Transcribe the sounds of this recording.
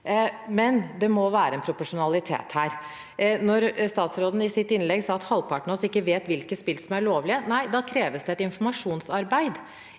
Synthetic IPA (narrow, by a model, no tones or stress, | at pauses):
mɛnd̪ɛmɔʋæːɾəɛnpʰɾʊpʊʂʊnɑlɪt̪ʰḛːt̪hæːɾ | nɔɾst̪ɑːt̪sɾoːd̪ən̩ɪsɪt̪ːɪnlɛɡsɑːɑt̪hɑlpʰɑʈɳɔsɪkːəʋeːt̪ʋɪlkəspɪlsɔmæɭoːʋlɪənæɪd̪ɑːkʰɾeːʋəsd̪ɛɛt̪ɪnfɔmɑʂuːnsɑɾbæɪd̪